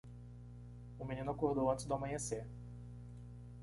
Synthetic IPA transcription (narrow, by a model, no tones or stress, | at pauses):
ʊmĩnĩnʊakoɾd̪owɐ̃t̪ɪzd̪amɐ̃ɲeseɾ